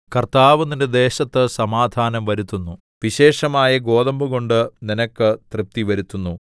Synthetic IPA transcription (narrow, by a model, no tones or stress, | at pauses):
kɐrt̪aːʋunːinded̪e̞ːɕɐt̪ːɨsɐmaːd̪ʱaːnɐmʋɐɾut̪ːunːu | ʋiɕe̞ːʂɐmaːjɐɡo̞ːðɐmbuɣo̞ɳɖɨninɐkːɨt̪rɨp̚t̪iʋɐɾut̪ːunːu